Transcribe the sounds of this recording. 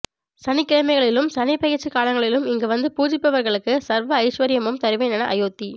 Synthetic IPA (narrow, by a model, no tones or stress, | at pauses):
sɐnɪkːɪɻɐmɐɪɣɐɭɪlɯmsɐnɪpɐjɪɾt͡ʃːɯkaːlɐŋɡɐɭɪlɯmɪŋɡɐʋɐnd̪ɯpuːd͡ʒɪpːɐʋɐɾɣɐɭɯkːɯsɐɾʋɐːɪʂʋɐɾɪjɐmɯmt̪ɐɾɪʋɐɪnɐnɐʔɐ̰joːt̪ːi